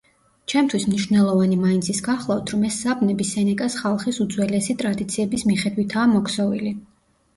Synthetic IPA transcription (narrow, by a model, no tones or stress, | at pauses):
t͡ʃʰɛmt̪ʰwismniʃvnɛlˠɔvanimaint̪sʰisɡaχlˠaft̪ʰɾɔmɛsːabnɛbisɛnɛkʼasχalˠχisud̪zwɛlɛsit̪ʼɾad̪it̪sʰiɛbismiχɛd̪wit̪ʰaːmɔkʰsɔvili